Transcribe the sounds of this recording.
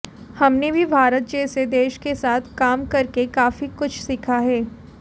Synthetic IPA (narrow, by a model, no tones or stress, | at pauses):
hɐmnebʱibʱaːɾət̪̚d͡ʒɛːsed̪eːʃkesaːt̪ʰkaːmkɐɾkekaːfikʊt͡ʃʰsɪkʰaɦɛː